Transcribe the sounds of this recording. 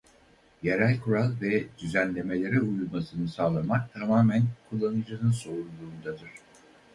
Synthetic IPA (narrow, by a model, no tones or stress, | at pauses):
jeɾælʲkʰuɾalˠvɛd̪̥yzænlʲe̞me̞lʲe̞ɾɛujulˠmasɯnɯsaːlˠamak̚t̪ʰamaːmænkʰulˠːanɯd͡ʒanɯnso̞ɾulˠuːnd̪ad̪ɯɾ̥